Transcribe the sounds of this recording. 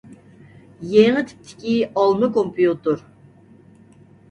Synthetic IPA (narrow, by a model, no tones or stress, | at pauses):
jeŋət̪ʰi̥p̚t̪ʰɪ̥kʲiɑlˠmɨkompʰijut̪ʊɾ